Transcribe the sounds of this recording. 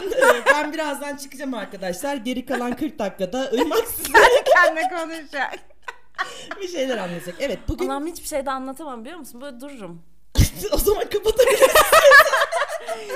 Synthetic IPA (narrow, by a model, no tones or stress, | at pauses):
nbænbiɾazd̪ant͡ʃʰɯ̥kɯd͡ʒamaɾkad̪aʃlˠaɾɟe̞ɾikalˠankʰɯɾk̚d̪akːad̪aɯjmasieɾiæninɛkʰo̞nuʃak | biʃe̞jlʲæɾanlˠat̪ʰd͡ʒakevɛt̪̚buɡynamhit͡ʃbi̥ʃe̞jd̪ɛanlˠat̪ʰamambilʲijoɾmusɯnbøjlʲɛd̪uɾuɾum | o̞zamankapat̪ʰae